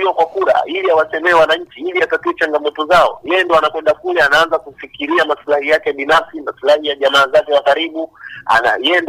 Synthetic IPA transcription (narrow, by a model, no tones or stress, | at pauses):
iwɔkwakuɾa̰iliawat͡ʃɛmɛɛwanaɲ̩t͡ʃiiliatatiɛt͡ʃaŋɡamɔtɔzaɔ̰jɛjɛndɔanakwɛndakulɛanaanzakufikiɾiamasulahijakɛɓinafsimasulahijaʄamaːzakɛwakaɾiɓua̰na̰jɛɛnd